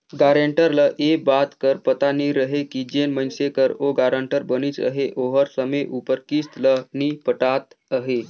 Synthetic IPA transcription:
ɡaɾeɳʈəɾləʔebat̪kəɾpət̪aniɾəɦekid͡ʑenmənsekəɾoɡaɾəɳʈəɾbəniːt͡sə̰ɦeʔoɦəɾsəmeʔupəɾkist̪lənipəʈat̪əɦe

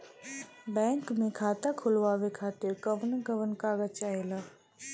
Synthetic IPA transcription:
bɛ̃ːŋkmẽkʰaːt̪akʰʊlʋaːʋekʰaːt̪ɪɾkəʋnɡəʋənkaːɡət͡ʃaɦelaː

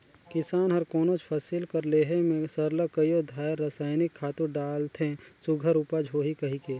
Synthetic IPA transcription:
kɪsaːnɦɐɾkoːnot͡ʃpʰɐsilkɐɾleːɦemẽsɐɾləkəjod̪ʱaːjəɾːəsaːɪnɪkʰːaːt̪uɖaːlt̪ʰẽsʊɡʱəɾʊpəd͡ʒʱɦoːɦikɐɦikeː

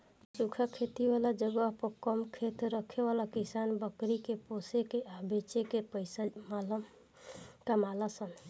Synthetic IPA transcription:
sukʰakʰet̪iʋalad͡ʒəɡəpəkəmkʰet̪ɾəkʰebalakisanbəkɾikeposekeʔəbet͡ʃekepəɪsamal | kamalasən

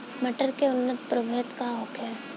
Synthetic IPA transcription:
mɐʈəɾkeʊnːət̪pɾəbʱəɦt̪kaɦoːkɛ

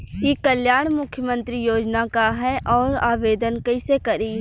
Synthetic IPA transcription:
kikəljaːɽ̃mʊkʰːjəmə̃nt̪ɾijoːd͡ʒnakaɦɛʔɔːɾaːʋeːd̪ənkɐisekɐɾi

